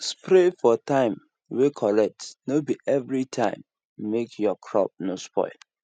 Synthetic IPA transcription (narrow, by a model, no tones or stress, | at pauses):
spɹefɔtãɪ̃m | wekʰɔɹɛk̚tnobiʔɛvɹitʰãɪ̃mː | ekʰjɔkʰɹɔ̰p̚nospɔ̰ɪl